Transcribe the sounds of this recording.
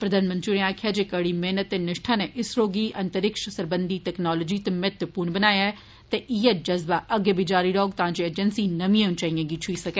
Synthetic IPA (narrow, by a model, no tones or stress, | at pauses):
pɾəd̪ʱaːnmənt̪ɾiːneaːkʰɪjaːd͡ʒeːkəɽiːmeːnət̪ːeːnɪʃʈʰãːneːʔɪsɾoːɡiːʔənt̪əɾɪkʃəsəɾbənd̪iːt̪ɛːknaːlɔːd͡ʒiːt̪emɪt̪puːɳbənaːjaːɛ | t̪eʔɪjeːd͡ʒəzbaːʔəɡeːbid͡ʒaːɾiːɾɔːɡt̪ãːd͡ʒeːeːd͡ʒənsiːnəmĩẽʊ̃nt͡ʃaːiãɡiːt͡ʃʰuiːsəkeː